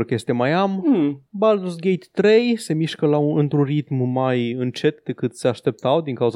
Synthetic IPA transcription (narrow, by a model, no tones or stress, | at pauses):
ɾkje̞st̪emajambald̪usɡʲejt̪ːɾe̞jse̞miʃkəlauɨnt̪ɾunrit̪mːajɨnt͡ʃe̞t̪d̪e̞kɨt̪se̞aʃt̪e̞p̚t̪awd̪iŋkauz